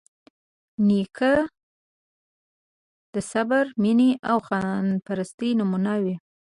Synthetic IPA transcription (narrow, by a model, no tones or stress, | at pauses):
nikʰə | d̪̥əsabaɾminiʔawxɑnpaɾast̪inʊmunawi